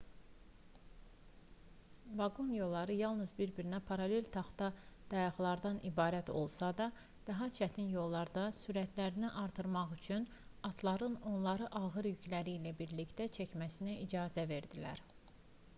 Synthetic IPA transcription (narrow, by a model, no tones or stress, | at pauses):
vɑɡonjo̞lˠːɑɾɯjɑlˠnɯzbiɾbiɾinæpʰɑɾɑle̞lʲt̪ʰɑχt̪ɑd̪̥ɑjɑχlˠɑɾd̪ɑnʔibɑːɾæt̪ʰo̞̰lˠsɑd̪ɑ | d̪̥ɑɦɑt͡ʃʰæt̪ʰinjo̞lˠːɑɾd̪ɑsyɾæt̪ʰlæɾiniʔɑɾt̪ʰɯɾmɑχyt͡ʃʰyn | ɑt̪ʰlˠɑɾɯno̞nlˠɑɾɯʔɑɣɯɾjycʰlæɾiːlæbiɾlict̪æt͡ʃʰæcmæsinæʔid͡ʒɑːzæve̞ɾd̪ilæ̰ɾ